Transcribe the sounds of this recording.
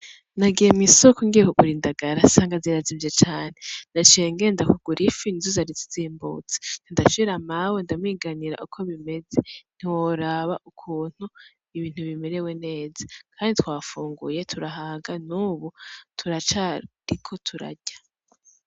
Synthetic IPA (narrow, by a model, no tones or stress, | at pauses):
naɡijemisokoŋɡiekokuɾindaɡaɾasaːŋɡaziɾazivjet͡ʃaːn̥endat͡ʃeːŋɡe̞ndakuɡ̥uɾʔifinizuzaɾit͡si̥ziːmbṵːt͡se̥nindaʃiɾamawendamwiːɡaniɾa̰ʔukʰo̞βime̞zen̥iwoɾaβaʔukʰuːn̥hu | iβiːn̥huβime̞ɾe̞we̞ne̞ːzakʰaːnditʰwaːfuːŋɡṵje̞tʰuɾaɦaːŋɡanuːβutʰuɾat͡ʃaɾikʰo̞tʰuɾa̰ɟ̥ḁ